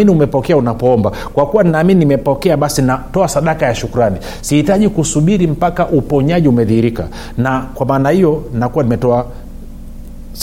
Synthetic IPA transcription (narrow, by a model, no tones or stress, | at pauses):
iniumɛpɔkɛaunapɔɔmba | kwakuwaninaːmininimɛpɔkɛaɓasinatɔasaɗakajaʃukuɾani | sihitaʄikusuɓiɾim̩pakaʔupɔɲaʄiumɛðihiɾika̰ | nakwamaːnahijɔnakuwanimɛtɔa